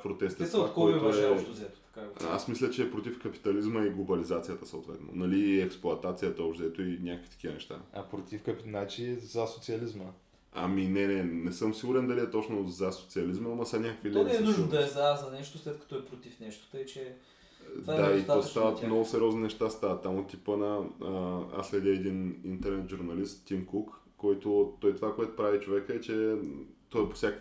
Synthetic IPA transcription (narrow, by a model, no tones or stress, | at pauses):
pɾot̪ɛst̪ɛst̪ːkɔɔjt̪oɛɛt̪ozɛt̪o̥t̪ɐ̥kaia̰smislʲət͡ʃɛːpɾot̪ifkɐpi̥t̪ɐlizməiɡlˠobɐlizat̪sijət̪əsəot̪vɛ̰t̪no̰nɐliɛksplˠʊɐt̪at̪sijət̪əobʒd̪ɛt̪oinʲakəkfi̥t̪ə̥k̟ivənɛʃt̪a̰ɐpɾot̪ifkɐpinat͡ʃizɐsot̪siɐlizmə | ɐ̰minɛnɛnɛsɤmsiɡuɾɛnd̪ɐliɛt̪ɔt͡ʃnozɐso̥t̪siɐlizməamɐsɐnʲakəkvilinɛɛnuʒnnod̪ɐɛzazɐnɛʃt̪oslɛt̪̚kɐ̥t̪ɔɛpɾot̪ifnɛʃt̪o̥t̪əjt͡ʃɛ | dd̪ait̪ɔjst̪avət̪mnɔɡʊsɛɾʲɔzninɛʃt̪ast̪avət̪ːamot̪ːipənɐ | a̰slʲɛd̪ʲɛɛd̪inint̪ɛɾnɛt̪ʒuɾnɐlist̪ːʲimkukː | ɔjt̪ot̪ɔjt̪ovakoɛt̪ʊ̥pɾavit͡ʃovɛkəɛt͡ʃɛt̪ɔɛpo̥sjakək